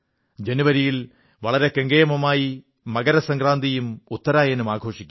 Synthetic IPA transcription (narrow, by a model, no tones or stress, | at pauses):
d͡ʑe̞niʋɐɾijil | ʋɐɭɐɾe̞keŋɡejɐmɐmaːji | mɐɡɐɾɐsɐŋɡraːnd̪ijumut̪ːɐɾaːjenumaːɡʱo̞ːʂikʲːu